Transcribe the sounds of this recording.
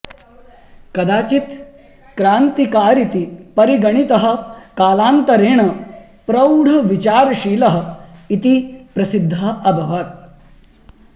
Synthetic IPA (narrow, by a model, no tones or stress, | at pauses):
kɐd̪aːt͡ʃit̪ | kɾaːnt̪ikaːɾit̪ipɐɾiɡɐɳ̃it̪ɐɦɐ̆kaːlaːnt̪ɐɾeːɳɐ | pɾɐwɽ̤ʱɐʋit͡ɕaːɾʃiːlɐɦɐ̆it̪ipɾɐsid̪ʱːɐɐbʱɐʋaːt̪̚